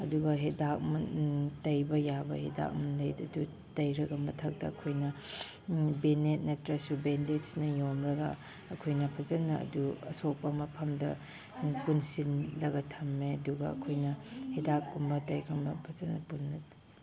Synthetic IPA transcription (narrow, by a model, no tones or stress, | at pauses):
ɐduɡɐɦedak̚mutɐjbɐjabɐ̰hḛda̰k̚munlɐjtɐdu | tɐjɾɐɡɐmɐtʰɐk̚tɐːkʰojnɐ | benet̚netɾɐsubendetsnɐjomɾɐɡɐ̰ | ɐkʰojnɐpʰɐzɐlnɐɐ̰duɐ̰sok̚pɐmɐpʰɐmdɐ̰ | kunsinlɐɡɐtʰɐmːeɐduɡɐɐ̰kʰojnɐhedak̚pumbɐtɐjkʰɐmbɐpʰɐzɐlnɐpunːɐd